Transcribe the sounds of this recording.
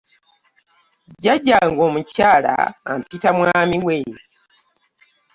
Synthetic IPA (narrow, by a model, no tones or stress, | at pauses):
ɟaɟːaŋɡoːmucaːla̰ːmpitamwaːmiwe